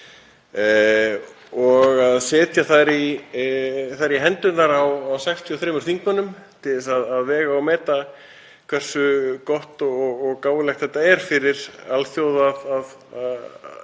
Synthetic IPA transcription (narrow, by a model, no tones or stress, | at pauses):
ɔɣaðsɛːt̪ʰjaθaɾi | θaɾiɦɛnt̪ʏt̪naɾawawsɛkst̪ʰjiɔθɾeːmʏɾ̥θiŋkmanːʏmt̪ʰɪlɪsaðaðvɛːɣaɔwmɛːt̪a | kʰv̥ɛr̥sʏkɔht̪ɔɣɣɔɣkaːwvɪlɛxt̪θɛht̪ːaɛɾ̥fɪɾɪɾalθjoːwðaðað | a